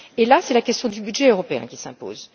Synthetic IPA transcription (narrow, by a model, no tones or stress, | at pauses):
elasɛlakʲɛst̪jɔ̃d̪ybyd̪ʒɛøʁɔpeɛ̰̃kʲi̥sɛ̃po̰ːz